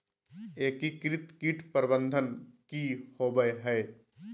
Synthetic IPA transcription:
eːkikɾɪt̪kiʈpəɾbə̃nd̪ʱənkihoːbəɦɛː

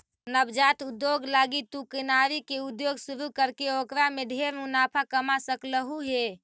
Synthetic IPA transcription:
nəbd͡ʒat̪ud̪joɡlaɡit̪ukənaɾikeud̪joɡsuɾukəɾkeokɾamed̪ʱeɾmunapʰakəmasəkləɦuɦe

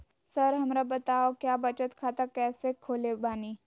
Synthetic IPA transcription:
sɐɾɦɐmɾabɐt̪aːokjaːbɐt͡ʃət̪kʰaːt̪akɛːsekʰoːlebaːniː

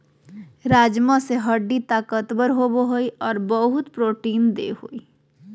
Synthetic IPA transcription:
ɾaːd͡ʒmãseɦəɖːit̪aːkət̪bəɾɦoboɦoiɔːɾbəɦʊt̪pɾoːʈiːnd̪ḛhoːi

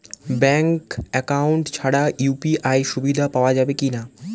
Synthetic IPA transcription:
bɛŋkɛkauɳʈt͡ɕʰaɽajupiʔajʃubid̪ʱapaoad͡ʑabekina

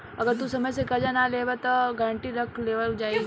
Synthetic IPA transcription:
ɐɡəɾt̪usɐməjsekɐd͡ʒanaleːbat̪oɡaɾə̃ɳʈiɾɐkʰleːʋəld͡ʒaːi

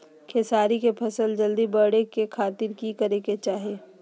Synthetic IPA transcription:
kʰeːsaːɾikepʰɐsəld͡ʒɐld̪ibəɽekekʰaːt̪ɪɾkikəɾeket͡ʃaːɦeː

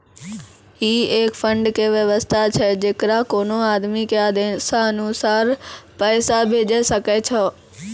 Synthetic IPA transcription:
ɦiːeːkfə̃ɳɖkeʋjəʋəst̪ʰat͡ɕʰɛd͡ʑeːkɾakoːnoaːd̪mikjad̪eːnsãɐnusaːɾpəːsabʱeːd͡ʒesɐket͡ʃʰɔ

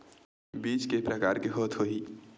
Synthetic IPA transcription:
biːt͡ʃkepɾəkaːɾkeɦoːt̪ʰɦoɦiː

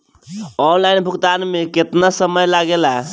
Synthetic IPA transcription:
ɔnlainbʱukt̪anmeket̪nasəməjlaɡela

